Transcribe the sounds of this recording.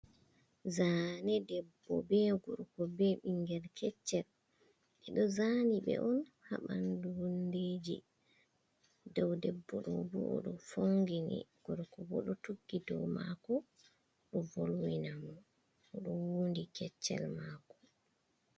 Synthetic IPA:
zaːnɛdɛbːɔbɛɡɔɾkɔbɛɓiŋɡɛlkʰɛt͡ʃːɛl | ʔɛɗɔzaːniɓɛ̰ʔɔn | haɓandunded͡ʒḭ | dɔwdɛbːɔɗɔbṵɔ̰ɗɔfoŋɡinḭɡ̥ɔɾkɔbɔ̰ɗɔtuɡːidɔwmakɔ | ɗɔvolwinamɔ | ɔɗɔwuːndikɛt͡ʃːɛ̰lmakɔ̥

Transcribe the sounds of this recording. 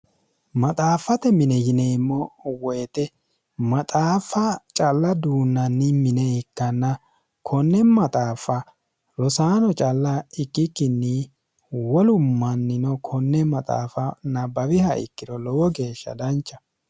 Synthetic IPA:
mɐt̪ʼaːfɐt̪ɛmɪnɛjɪneːmːɔwɔjɛt̪ɛ | mɐt̪ʼaːfɐt͡ʃʼɐlːɐd̪uːnːɐnːɪmɪnɛɪkːɐnːɐ | kʰɔnːɛmɐt̪ʼaːfɐ | ɾɔsaːnɔt͡ʃʼɐlːɐɪkʼːɪkːɪnːɪ | wɔlʊmːɐnːɪnɔkʰɔnːɛmɐt̪ʼa̰ːfɐnɐbɐwɪhɐʔɪ̰kːɪd̪ɔlɔwɔɡe̞ːʃːɐ̰d̪ɐnt͡ʃːɐ

